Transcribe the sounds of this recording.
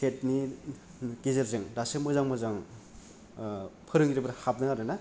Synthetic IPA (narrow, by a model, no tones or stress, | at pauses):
et̚ni | kizɯɾzɯŋdasɯmɯzaŋmɯzaŋ | pʰɯɾɯŋiɾibɾhap̚nɯŋaɾɯna